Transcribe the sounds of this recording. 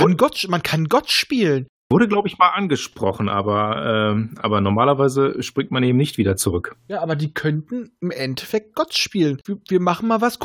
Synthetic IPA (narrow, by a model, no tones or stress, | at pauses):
anɡɔtʃmankʰanɡɔtʃpiːlən | vʊɐɾəɡlaʊbəɪçmaːlʔanɡəʃpʁ̥ɔχn̩ʔa̰ːbɐʔɛːʔa̰ːbɐnɔɐmaːlɐvaɪzəʃpʁ̥ɪçtmanʔeːbm̩nɪçtv̥iːdɐt͡suʁʏkjaːʔaːbɐdiːkʰœntn̩ɪmʔɛntʰɛ̥fɛk̚t̚ɡ̥ɔtʃpiːlənviːviːɐmaχn̩maːlvask